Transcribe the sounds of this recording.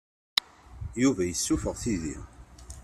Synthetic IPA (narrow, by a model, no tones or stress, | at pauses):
juvæjəsːufəʁθiðḭ